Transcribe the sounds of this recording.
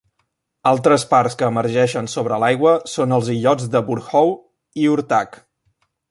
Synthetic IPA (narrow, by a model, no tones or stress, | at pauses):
alˠt̪ɾəsparskəːməɾʒɛʃənsoβ̞ɾəlajɣwəsonəlˠziʎɔd͡zd̪əβuɾxɔw | iuɾt̪ak